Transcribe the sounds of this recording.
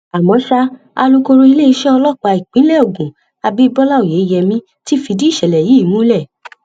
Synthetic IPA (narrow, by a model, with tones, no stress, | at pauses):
a˨mɔ̃˨˦ʃa˧ | a˧lu˦kõ˧ɾõ˧i˧le˦i˧ʃɛ̃˦ɔ˧lɔ˦˨k͡pa˨˧i˨k͡pĩ˨˦lɛ˦o˨ɡũ˨ | a˧bi˦bɔ˦la˦o˨je˨˦jɛ˧mĩ˦ | ti˦˨fi˧di˦i˦˨ʃɛ˨lɛ˨ji˨˦˨nũ˦lɛ˦˨